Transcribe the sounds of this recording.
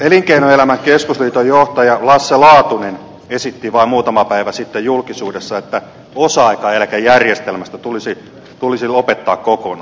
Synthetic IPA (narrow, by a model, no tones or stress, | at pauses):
eliŋkeinoelæmæŋkeskusliːt̪ojoht̪ɑjɑlɑsːelɑːt̪unen | esit̪ːiʋɑimmuːt̪ɑmɑpæiʋæsit̪ːejulkisuːdesːɑet̪ːæ | osɑɑikɑelkæjærjest̪elmæst̪æt̪ulisi | t̪ulisilopet̪ːɑːkkokonɑ